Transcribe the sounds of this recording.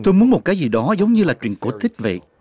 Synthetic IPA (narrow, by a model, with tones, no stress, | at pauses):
t̪o˧jmu˨˦ənmo˨˩t̚kaː˨˦jzi˨˩ɗɔ˨˦zə˨˦wŋ͡mɲɨ˧laː˨˩t͡ɕwi˨˩ənko˧˩t̪ʰï˦˥k̟̚və̰˧˨jʔ